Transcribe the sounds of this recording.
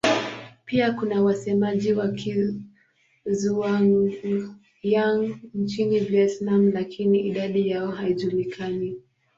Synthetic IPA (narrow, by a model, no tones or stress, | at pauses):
piakunawasɛmaʄiwakʰi | zuaŋ | jaŋn̩t͡ʃiniviɛtnam̩lakʰiniʔiɗaɗijaɔɦaiʄulikʰani